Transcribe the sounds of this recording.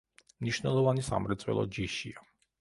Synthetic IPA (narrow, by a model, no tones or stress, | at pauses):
mniʃnɛlˠɔvanisa̰mɾɛt̪sʼwɛ̰lˠɔ̰d͡ʒiʃia